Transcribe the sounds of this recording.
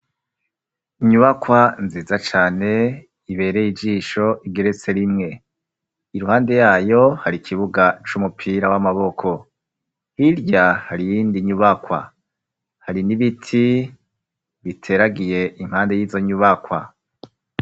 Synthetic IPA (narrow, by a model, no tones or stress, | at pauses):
iɲuβakwanziːzat͡ʃaːne̞ | iβe̞ːɾejid͡ʒiːʃo̞ʔiɡe̞ɾe̞t͡se̞ɾimŋe̞ | iɾuhaːnde̞jaːjo̞haɾikʰiβuɡat͡ʃumupʰiɾawamaβo̞kʰo̞ | hiɾɟahaɾijiːndiɲuβakwa̰ | haɾiniβitʰi | βitʰe̞ːɾaɡije̞ʔimhaːnde̞jiːzo̞ɲuβakwa̰